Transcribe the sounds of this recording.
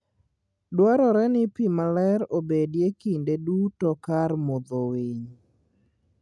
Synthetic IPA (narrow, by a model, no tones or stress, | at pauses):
dwaɾɔɾɛnɪpimalɛɾobedjekindedutɔkarmɔd̪oweɲ